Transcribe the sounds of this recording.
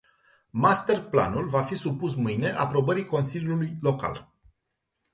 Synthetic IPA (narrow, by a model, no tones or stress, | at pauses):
mast̪e̞rpla̰nulvafisupusmɨjne̞ʔapɾo̞bəɾiko̞nsilʲjʲulujlo̞ka̰l